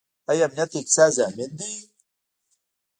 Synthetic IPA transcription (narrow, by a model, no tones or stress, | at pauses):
ɐjamnat̪iksaːzaːmind̪i